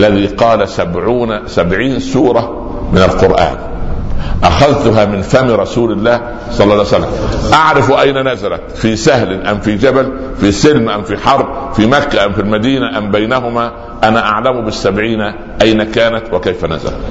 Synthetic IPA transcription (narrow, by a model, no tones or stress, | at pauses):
ʔlːæðiːqɑːlasabʕuːnsabʕiːnsuːɾˤɑ | mɪnalqʊɾʔa̰ːn | ʔaxaðt̪ʊɦaːmɪnfæmɾˤɑsuːlɪlːæːh | sˤɑlːɑsalːa̰mʔɑʕɾɪfʔajnanazalæ̰t̪fiːsahlʔamfid͡ʒæbal | fisɪlmʔamfiħɑɾˤb̚fimækːæʔamfilmæd̪iːnaʔambajnaɦʊmaː | ʔanaʔaʕlamʊbɪsːabʕiːn | ʔajnakaːnat̪wɪkajfæna̰za̰læ̰t̪